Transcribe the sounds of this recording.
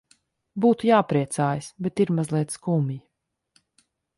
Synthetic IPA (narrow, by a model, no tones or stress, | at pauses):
buːt̪ujaːpɾiɛt̪saːjasbɛt̪iɾmazlˠiɛt̪skuːmji